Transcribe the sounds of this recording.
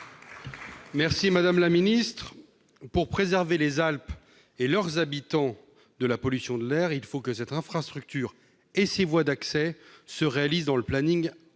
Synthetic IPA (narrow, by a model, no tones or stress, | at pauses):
mɛʁsimad̪amlaminist̪χ | puʁpχezɛʁvelezalp | elœʁzabit̪ɑ̃ | d̪əlapɔlysjɔ̃d̪əlɛːʁilfokəsɛt̪ɛ̃fχast̪χyk̚t̪yːʁ | esevwad̪aksɛsəʁealizd̪ɑ̃ləplaniŋ